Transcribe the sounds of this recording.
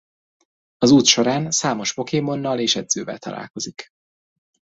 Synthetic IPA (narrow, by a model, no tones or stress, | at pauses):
ɒzuːt̪ʃo̞ɾaːnsaːmo̞ʃbo̞keːmo̞nːɒleːʃɛd̪z̥øːvɛ̰lt̪ɒ̰la̰ːlko̞zik